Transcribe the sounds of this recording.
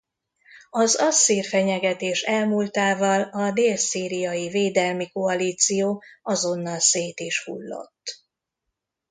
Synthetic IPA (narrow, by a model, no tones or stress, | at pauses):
ɒzɒsːiːrfɛɲɛɡɛt̪eːʃɛlmult̪aːvɒlɒd̪eːlsiːɾijɒjiveːd̪ɛlmikoɒliːt̪sijoːɒzo̞nːɒlseːt̪iːʃhṵlːo̞̰t̪ː